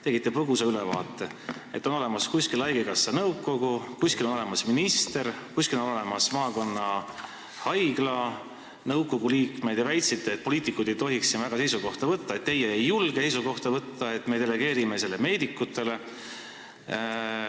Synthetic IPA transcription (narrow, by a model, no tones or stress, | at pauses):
t̪e̞ɡ̥it̪ːˑepruɡusɑylevɑ̰ːt̪ːˑe̞ | e̞t̪ːˑo̞no̞le̞mɑskuskilɑjɡekɑsːɑnɤwkːo̞ɡ̥ukuskilonole̞mɑsminist̪e̞ɾkuskilo̞no̞le̞mɑsmɑːko̞nːɑ | hɑjɡ̥lɑ | nɤwkːo̞ɡ̥uliːkme̞d̪̥jɑvæjt̪sit̪ːˑeːt̪̚po̞lʲiːt̪ːˑikːˑud̪̥e̞jt̪o̞ɦiksinvæɡ̥ɑse̞jsuɡo̞ht̪ɑvɤt̪ːɑe̞t̪̚ːe̞jːeejːulɡ̥ese̞jsuɡo̞ht̪ɑvɤt̪ːɑe̞t̪ːˑme̞ːd̪e̞le̞ɡ̥e̞ːɾime̞se̞lːe̞me̞ːd̪ikˑːut̪ːˑe̞le